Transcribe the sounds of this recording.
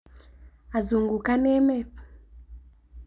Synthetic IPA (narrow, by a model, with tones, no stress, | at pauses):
a˨zu˨ŋɡu˨ka˦nɛ˦mɛ˦